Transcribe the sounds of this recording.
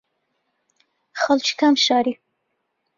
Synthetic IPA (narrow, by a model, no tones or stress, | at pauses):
xalt͡ʃkamʃɑɾi